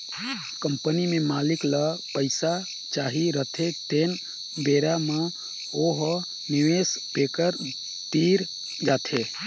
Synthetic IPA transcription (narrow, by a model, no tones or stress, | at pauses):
kəmpənimemalikləpəɪsa | t͡ʃaɦiɾət̪ʰet̪en | beɾama | oɦ | niʋespekəɾ | t̪iɾ | d͡ʒaːt̪ʰe